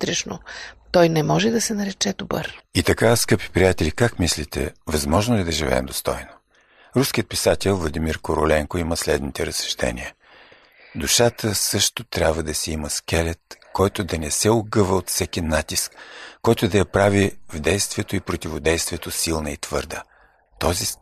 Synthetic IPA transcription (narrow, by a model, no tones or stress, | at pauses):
t̪ɾɛʃno̰t̪ɔjnɛmɔʒɛd̪ɐsɛnɐɾɛt͡ʃɛd̪obə̰ɾit̪ɐkaskɤpi̥pɾʲijat̪ɛlikakmislit̪ɛ̰vɐzmɔʒnoɛd̪ɐʒivɛ̰ɛ̰md̪ost̪ɔjno | ɾuskʲiət̪̚pisat̪ɛlˠvlˠɐd̪imiɾkoɾo̰lɛŋkoiməslɛd̪nit̪ɛɾəsɛ̥ʃt̪ɛ̰nʲḭə | d̪uʃat̪ʰəsɤʃt̪ot̪ɾʲabvəd̪ɐsɛiməsk̟ɛlɛt̪kɔjt̪ʊd̪ɐnɛsɛoɡɤvəot̪fsɛkʲinat̪iskkːɔjt̪od̪ɐjɐpɾavivd̪ɛjst̪vʲiɛt̪oipɾot̪ʲivod̪ɛjst̪vijɛt̪osilˠnəit̪v̥ɤɾd̪ə | t̪ɔzi